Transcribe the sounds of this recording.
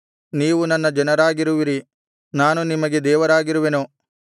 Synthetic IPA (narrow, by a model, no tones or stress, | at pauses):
niːʋunɐnːɐd͡ʒɐnɐɾaːɡiɾuʋiɾi | naːnunimɐɡe̞d̪ɛːʋɐɾaːɡiɾuʋenu